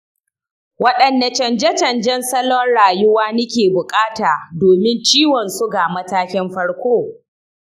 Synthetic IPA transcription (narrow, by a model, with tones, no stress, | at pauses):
wɐ˦ɗɐ˨nda˨t͡ʃɐ˨nd͡ʒɛ˦t͡ʃɐ˨nd͡ʒɛ˦nsɐ˦lɔ˦nɽaː˨jʊ˦waː˦nɐ˦kʲeː˨bʊ˨kʼaː˦taː˨doː˨mɪ˦nt͡ʃiː˦wɔ˨nsʊ˦ɡa˨mɐ˦taː˦kʲɪ˦mɸɐ˦ɽkʷoː˦